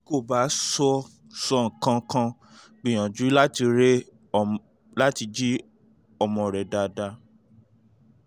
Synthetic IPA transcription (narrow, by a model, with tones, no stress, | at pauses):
ko˦˨ba˨˦sɔ˧ | sɔ˧˦ŋ̩˨kã˧˦kã˧ | k͡pĩ˨j̃ã˨d͡ʒu˨˦la˦ti˧ɾe˦ | la˦ti˧d͡ʒi˦ | ɔ˨mɔ̃˨ɾɛ˨da˨da˧